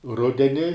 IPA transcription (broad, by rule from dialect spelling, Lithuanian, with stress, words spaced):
ˈrʊdʲɛnʲɪ